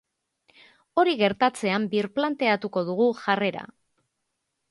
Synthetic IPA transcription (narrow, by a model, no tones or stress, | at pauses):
o̞ɾiɣe̞ɾt̪at͡se̞ambiɾplant̪e̞at̪uko̞ð̞uɣ̞uʝare̞ɾa̰